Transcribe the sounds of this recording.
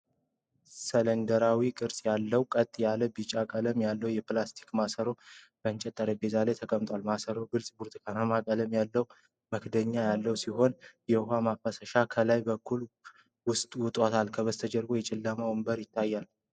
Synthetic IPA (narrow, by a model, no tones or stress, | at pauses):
sələnd̪əɾawikʼɨɾsʼjalːəwkʼət̪ʼːjaləbit͡ʃʼakʼələmjalːəwjɛplast̪ʰi̥kmasəɾo | b̥ənt͡ʃʼɛt̪ʼːəɾebezalet̪ʰəkʼəmt̪ʼowalmasəɾoɡɨlsʼbuɾt̪ʼkʰanamakʼələmjalːəw | məkd̪əɲːajalːəwsiɦo̞njɛhamafəsəʃakʰəlajbəkːul | wʊst̪ʼwʊt̪ʼot̪ʰalkʰəβəst̪ʰəd͡ʒəɾɡo̞jɛt͡ʃʼɪlːəməwɨmbəɾjɪt̪ʰːajːal